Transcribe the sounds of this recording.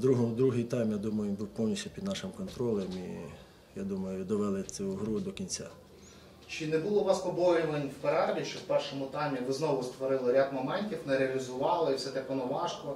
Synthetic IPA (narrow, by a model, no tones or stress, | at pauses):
d̪ɾuɦɔmd̪ɾuɦɪjt̪ɑjmjad̪umɐjʊnbuwpɔwnʲisʲupʲid̪nɑʃɪmkɔnt̪ɾɔlˠɛmi | jad̪umɐjʊd̪ɔʋɛlˠɪt͡s̪ʲuɦɾud̪ɔkʲinʲt͡sʲa̰ | t͡ʃɪnɛbʊlˠɔʋɑspɔbɔɾʲiʋenʲwpeɾɑlʲiʃt͡ʃɔwpɛrʃɔmʊt̪ɑjmʲiʋɪznɔʋʊst̪ʋɔɾɪlˠɪɾʲad̪mɐmɛnʲtʲiwnɛɾeɐlʲizʊʋɑlˠɪifsɛt̪ɛpɔnɔʋɑʃkɔ